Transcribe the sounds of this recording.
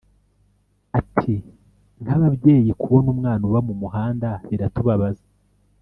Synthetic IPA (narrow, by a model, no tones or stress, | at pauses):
atʰi | n̥haβabje̞ːjikuβo̞nuːmŋaːnuβamumuɦaːndaβiɾatuβaβaza